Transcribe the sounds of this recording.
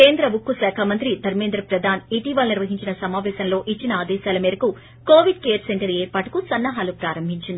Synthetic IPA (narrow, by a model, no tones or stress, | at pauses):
keːnd̪ɾɐʋukːusɛːkʰaːmɐnt̪ɾid̪ʱɐɾmend̪ɾɐpɾɐd̪ʱaːniʈiʋaːlniɾʋɐɦiɲt͡ʃinɐsɐmaːʋɛːsɐnlo̞ːʔit͡ʃːinɐaːd̪ɛːʃaːlɐmiːɾɐku | koːʋiɖkeːɾseɳʈɐɾeːɾpaːʈu̥kusɐnːɐɦaːlupɾaːɾɐmbʱiɲt͡ʃind̪i